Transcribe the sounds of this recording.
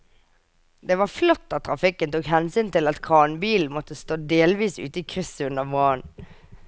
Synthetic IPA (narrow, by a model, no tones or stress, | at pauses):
d̪ɛʋɑflɔt̪ːɑt̪̚ʰːɾɑfɪkːənt̪uːkhɛnsyːnt̪ɪlɑt̪kʰɑːnbiːlmɔt̪ːəst̪oːd̪eːlʋiːsʉ̰ːt̪əiːkʰʁʏsəʉnəmoːən